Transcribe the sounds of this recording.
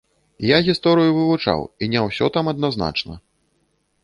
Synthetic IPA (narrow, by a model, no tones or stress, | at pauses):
jaɣʲist̪ɔɾɨjuvɨvut͡ʂa̰winʲɛwsʲɔt̪amɐd̪nazna̰t͡ʂnɐ̰